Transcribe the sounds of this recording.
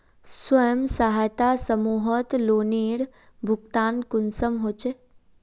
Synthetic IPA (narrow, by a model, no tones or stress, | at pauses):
swɐjəmsaɦajt̪asɐmuːɦɔt̪loːniːɽ | bʱʊkt̪aːnkʊnsəmɦot͡ʃe